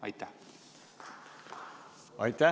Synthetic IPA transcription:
ɑjt̪æ | ɑjt̪æ

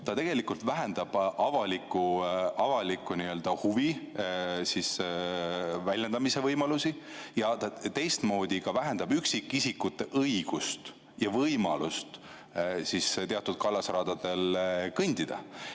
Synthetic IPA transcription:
t̪ɑt̪e̞ɡ̥e̞likult̪væɦend̪̥ɑb̥ʔɑvɑlikːˑuɑvɑlikːˑuniø̞ld̪̥ɑhuvi | sis | vælʲjɑnd̪ɑmise̞vɤjmɑlusi | jɑt̪ɑt̪e̞jst̪mo̞ːd̪̥ʲikɑvæɦend̪̥ɑbyksikːˑisikːˑut̪ːˑeʔɤjɡ̥ust̪ | jɑvɤjmɑlust̪ | sist̪e̞ɑt̪ːˑud̪̥̚kɑlːɑsrɑːd̪̥ɑd̪̥e̞lkɤnd̪̥id̪̥ɑ̰

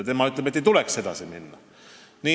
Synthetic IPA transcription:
t̪emɑyt̪leet̪ːeit̪ulekse̞d̪̥ɑ̰siminːɑ̰ | niː

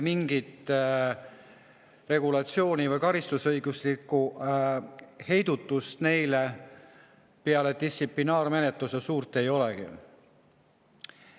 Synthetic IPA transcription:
miŋɡ̥it̪ | re̞ɡulɑt̪sio̞ːnʲivɤjkɑɾist̪usɤjɡuslikːˑu | he̞jd̪̥ut̪ːˑust̪ne̞jle | peɑled̪̥issiplinɑːɾme̞net̪lusesuːrt̪ːˑe̞jo̞leɡ̥ḭ

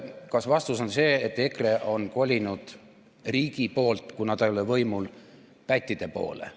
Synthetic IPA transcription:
kɑsvɑst̪uso̞nse̞ːet̪ːˑe̞kre̞ʔo̞nko̞lʲinud̪̥ | riːɡ̥ipo̞ːlt̪kunɑd̪̥ejo̞levɤjmul | pæt̪ʲːid̪̥e̞po̞̰ːlḛ

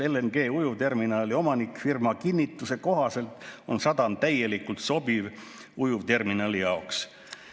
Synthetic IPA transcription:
elenɡ̥e̞ːujuvt̪e̞rminɑːlʲio̞mɑnikˑfirmɑkinʲːit̪ːˑuse̞ko̞ɦɑse̞lt̪o̞̰nsɑd̪̥ɑnt̪æje̞likult̪so̞biv | ujuvt̪e̞rminɑːlijɑoks

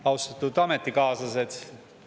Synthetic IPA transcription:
ɑwst̪ɑt̪ːˑud̪̥ɑmet̪ːˑikɑːsɑsed̪̥

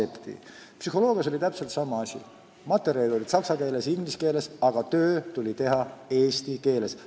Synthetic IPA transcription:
ept̪ḭpsyɦo̞lo̞ːɡ̥iɑs̬o̞lʲit̪æpse̞lt̪sɑmɑɑsʲḭ | mɑt̪ːˑe̞ɾjɑlid̪o̞lʲid̪̥sɑksɑkeːle̞siŋɡliske̞ːle̞sɑɡ̥ɑt̪ø̞ːt̪ulʲit̪e̞ɦɑe̞ːst̪ike̞ːle̞s

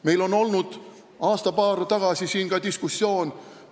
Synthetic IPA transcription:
me̞jlo̞no̞lnud̪̥ | ɑːst̪ɑpɑːrt̪ɑɡ̥ɑsisiːnkɑd̪iskusːjo̞ːn

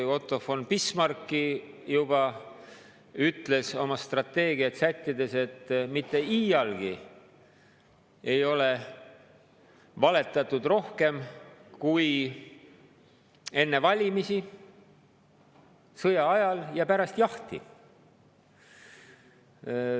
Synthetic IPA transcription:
o̞t̪ːˑo̞fo̞npismɑrkːijubɑ | yt̪ːˑle̞so̞mɑst̪rɑt̪ːe̞ːɡiɑt̪sæt̪ʲːid̪e̞se̞t̪ːmit̪ːe̞iːjɑlɡ̥i | e̞jo̞le̞ | vɑle̞t̪ːˑɑt̪ːˑud̪̥ro̞hke̞mkuj | e̞nːe̞vɑlʲimisi | sɤjɑɑjɑljɑpæɾɑst̪jɑht̪ḭ

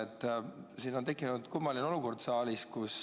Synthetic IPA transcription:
et̪ːˑsiːno̞nt̪e̞kːˑinud̪̥kumːɑlino̞luko̞rd̪sɑːliskus

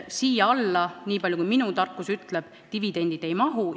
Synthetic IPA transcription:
siːjɑɑlːɑniːpɑlʲjukujminut̪ɑrkːˑusyt̪leb̥ | t̪ivid̪̥e̞nʲd̪̥id̪̥e̞jmɑɦu

